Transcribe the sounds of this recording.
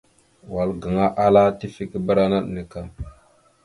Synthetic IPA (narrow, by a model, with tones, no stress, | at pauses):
wa˨lɡa˨ŋa˦ʔa˦la˦ti˦fi˦ki˦bə˦ɾa˦na˦ɗni˨ka˦